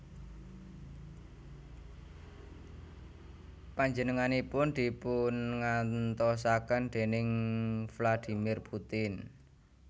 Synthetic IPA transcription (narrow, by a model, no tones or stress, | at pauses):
paɲd͡ʒənəŋanipʊnd̪̥i̤pʊnŋant̪ɔs̬akand̪̥e̤nɪŋflad̪̥i̤mɪrput̪ɪn